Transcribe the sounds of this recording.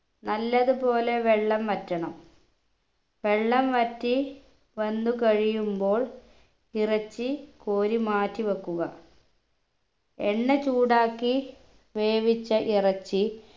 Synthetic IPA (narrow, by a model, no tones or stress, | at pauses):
nɐlːɐðupo̞ːle̞ʋe̞ɭːɐmʋɐtːɐɳɐm | ʋe̞ɭːɐmʋɐtːi | ʋɐnd̪ukɐɻijumbo̞ːɭ | irɐt͡ɕːikoːɾimaːtːiʋɐkːuɣɐ | ḛɳːet͡ɕuːɽaːkːi | ʋe̞ːʋit͡ɕːɐʔirɐt͡ɕːi